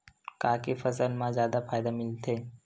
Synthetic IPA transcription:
kaːkefɐsəlmãzjaːd̪afaːjd̪amɪlt̪ʰeː

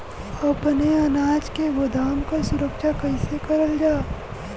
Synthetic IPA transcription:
ɐpneɐnaːd͡ʒkeɡod̪aːmkasʊɾəkʃakɐɪsekɐɾəld͡ʒaː

